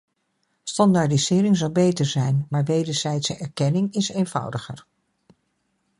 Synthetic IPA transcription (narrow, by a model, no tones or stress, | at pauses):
stɑndaɹdizɪːɾɪŋzʌwbejtəɹzɛjnmaːɹʋejdəɹz̥ɛjtsəɛɹkɛnɪŋɪsejnv̥ʌ̰wdəχəɹ